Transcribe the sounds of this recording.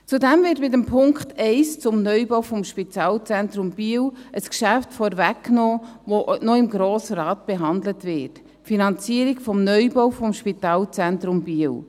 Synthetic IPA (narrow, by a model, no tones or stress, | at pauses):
t͡sudɛmvɪːtmɪtəmpʰʊŋkχtɛɪst͡sʊmnœʏbowfɔmʃpitɑːlt͡sɛntɾʊmb̥iːwʔəskʃæftfɔɾvækːnoːvonɔɪmɡɾoːsəɾɑːt̚b̥eɦɑnd̪lətvɪt | finɑnt͡siəɾikfɔmnœʏbowfɔmʃpitɑːlt͡sɛntɾʊmbiːw